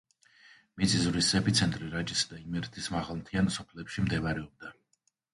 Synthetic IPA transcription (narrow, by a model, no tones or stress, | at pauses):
mit̪sʼizɾisɛpʰit̪sʰɛnt̪ʼɾiɾad͡ʒisad̪aimɛɾt̪ʰismaʁalˠmt̪ʰiansɔpʰlɛpʃimd̪ɛvaɾɛɔb̚d̪a